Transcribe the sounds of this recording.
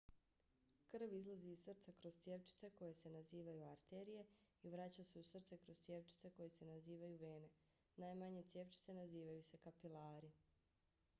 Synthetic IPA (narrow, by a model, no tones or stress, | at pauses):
kr̩ʋizlˠaziːzsr̩t̪sakɾoz̥t̪sjeʋt͡ʃi̥t̪seko̞je̞se̞naziːʋajuaɾt̪eɾije̞iʋɾat͡ɕase̞usr̩t̪se̞kɾozt̪sʲjeʋt͡ʃi̥t̪se̞ko̞jese̞naziːʋajuʋe̞ːne̞ | naːjmaɲe̞t̪sjeːʋt͡ʃi̥t̪se̞naziːʋajuse̞kapilaːɾi